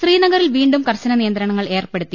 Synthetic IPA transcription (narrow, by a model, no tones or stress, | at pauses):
ɕriːnɐɣɐɾilʋiːɳɖumkɐrɕɐnɐnijɐnd̪ɾɐɳɐŋːɐɭe̞ːrpe̞ɽut̪ːi